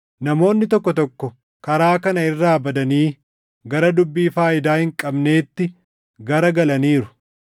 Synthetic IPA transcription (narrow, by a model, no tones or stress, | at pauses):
nɐmo̞ːnːɪt̪ɔkːɔt̪̬ɔkːɔ | kɐɾaːkɐnɐɪrːaːbɐd̪ɐniː | ɡɐɾɐd̪ʊbːiːfaːʔɪd̪aːhɪŋkʼɐbne̞ːt̪ːɪ | ɡɐɾɐɡɐlɐniːɾʊ̥